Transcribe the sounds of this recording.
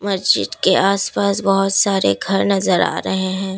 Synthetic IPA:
mɐsd͡ʒɪ̰d̪keʔaːspaːsbɐɦʊt̪saːɾeɡʱɐɾnɐzəɾa̰ːɾɐɦeɦɛ̃ː

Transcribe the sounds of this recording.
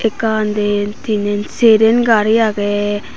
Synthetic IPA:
ekaːnd̪et̪inenseɾenɡaɾiake

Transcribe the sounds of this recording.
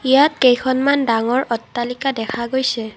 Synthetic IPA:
ijat̚kejkʰɔnmandaŋɔɹʔɔtːalikadɛkʰaɡojsɛ

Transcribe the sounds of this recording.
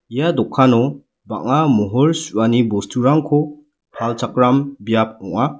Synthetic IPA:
ijadɔkʰːanɔ | ba̰ŋamɔɦɔɾsuanibɔstʰuɾaŋkʰɔ | halt͡ʃʰakɾambijap̚ɔŋa

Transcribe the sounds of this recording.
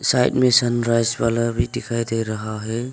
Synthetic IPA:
sajt̚mesanɾajsbalabitikʰajdajɾaɦaɦej

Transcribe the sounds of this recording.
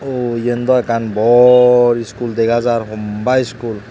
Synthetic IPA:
ojend̪ɔɛkanbɔɹiskuld̪ɛɡazaɾɦɔmbajiskul

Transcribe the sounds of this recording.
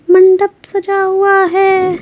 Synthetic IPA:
mɐɳɖəbsɐd͡ʒaɦuaɦɛː

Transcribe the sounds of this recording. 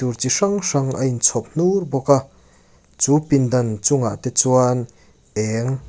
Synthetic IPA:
urt͡siʂaŋʂaŋʔɐ̰jnt͡sʰɔp̚n̥urbɔka | t͡supind̪ɐnt͡sʊŋaʔt̪ɛt͡suan | ɛŋ

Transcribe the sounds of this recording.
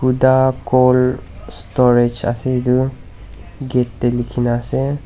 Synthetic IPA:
kudakɔlstɔɹed͡ʒa̰sɛidu | ɡɛtːɛlikʰinasɛ

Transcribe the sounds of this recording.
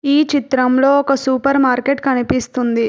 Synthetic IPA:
iːt͡ʃit̪ɾɐmlo̞ːɔkɐsuːpɐɾmaːɾkeʈkɐnipist̪und̪i

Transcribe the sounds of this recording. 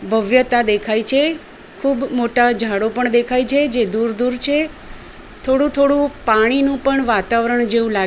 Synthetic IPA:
bʱəʋjət̪ad̪ekʰajt͡ʃʰe | kʰuːbmoʈad͡ʒʱaɽopəɳd̪ekʰajt͡ʃʰed͡ʒed̪uɾd̪uɾt͡ʃʰe | t̪ʰoɽũt̪ʰoɽũpaɽ̃inũpəɳʋat̪aʋɾəɳd͡ʒeũla

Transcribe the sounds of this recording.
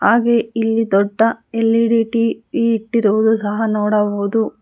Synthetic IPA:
haːɡeilːid̪ɔɖːɐelːiɖiːʈipiːʈːiɾɐʋud̪usɐɦɐnoːɽɐboːd̪u

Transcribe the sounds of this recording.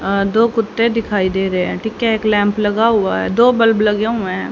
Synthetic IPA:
d̪oːkʊt̪ːed̪ɪkʰaːid̪eːɾɐɦeɛ̃ʈʰiːkɦɛeːklɛ̃ːmplɐɡaɦʊa̰ɦɛ̰d̪oːbɐlblɐɡeɦuʊ̃mɛ̃

